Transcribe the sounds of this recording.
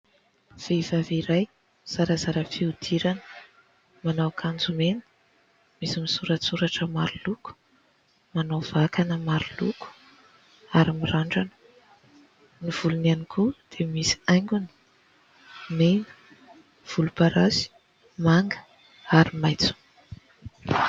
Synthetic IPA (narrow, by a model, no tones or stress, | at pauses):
v̥evaviɾaj | z̥aɾəzaɾəfiud̪̥iɾanə̥ | manawkʰand͡zumenə̥ | misimisuɾasuɾaʈ͡ʂəmaɾuluku̥ | manawv̥akanəmaɾulṵku̥ | aɾimiraɳɖ͡ʐanə̥ | niv̥ulunanikʰud̪̥emisi̥ajŋɡʲunə̥ | menə̥ | v̥ulupaɾasi̥ | maŋɡə̥ | aɾimajt͡su̥